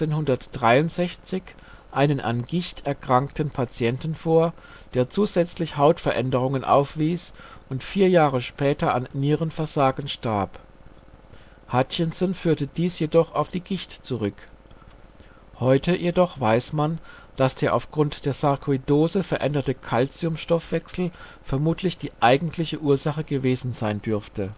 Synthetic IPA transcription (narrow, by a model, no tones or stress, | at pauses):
t͡seːnhʊndɐtd̥ʁaɪʊntz̥ɛçt͡sɪç | ʔaɪnənʔa̰nɡɪçtʰɛɐkʁ̥aŋktn̩pʰat͡sjɛntn̩foːɐ | d̥eːɐt͡suːzɛt͡slɪçhaʊtfɛɐʔɛndəʁ̞ʊŋənʔa̰ʊfv̥iːsʔʊntfiːɐjaːʁəʃpɛːtɐʔanːiːʁənfɛɐzaːɡn̩ʃtaɐp | haçənsɔnfyːɐtəd̥iːsjedɔχaʊfd̥iːɡɪçtt͡suʁʏk | hɔʏtʰəjedɔχv̥aɪsman | d̥asd̥eːɐʔa̰ʊfɡ̥ʁʊntd̥eːɐsaɐkʰidoːzəfɛɐʔɛndɐtəkʰalt͡siʊmʃtɔfv̥ɛksl̩ | fɛɐmuːtʰlɪçd̥iːʔaɪɡn̩tʰlɪçəʔuːɐzaχəɡəveːzn̩zaɪndʏɐftə